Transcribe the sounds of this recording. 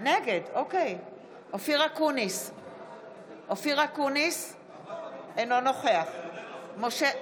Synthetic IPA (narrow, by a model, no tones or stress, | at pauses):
neɡed̪okej | ofiʁakunis | ʔofiʁakunis | enonoχeaχmoʃe